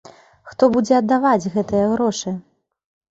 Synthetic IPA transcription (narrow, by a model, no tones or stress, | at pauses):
xt̪ɔbud͡zʲɛɐd̪ːavad͡zʲɣɛt̪ɨjɐɣɾɔʂɨ